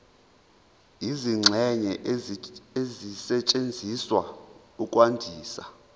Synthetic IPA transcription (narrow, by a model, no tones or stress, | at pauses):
iziŋ͡ǁʱɛɲɛ | ezisɛt͡ʃʼend͡zʱiswa | ukʼwandʱiːsa̰